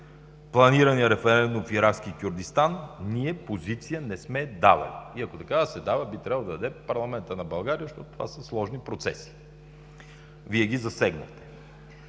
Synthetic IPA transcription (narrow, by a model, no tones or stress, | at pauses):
plˠɐniɾəniəɾɛfɛɾɛnd̪ũmfiɾakskʲikʲuɾd̪ist̪anniɛpozit̪sijənɛsmɛd̪a̰vɐ̰liiɐkot̪ɐkad̪sɛd̪avəbit̪ɾʲabəlˠd̪ɐd̪ɐd̪ɛpɐɾlˠɐmɛnt̪ənɐbɐlˠɡaɾiəzʃt̪ɔt̪ʊt̪ova̰səslˠɔʒnipɾot̪sɛ̰si̥ | viɛɡʲizɐsɛɡnɐ̰xt̪ɛ̥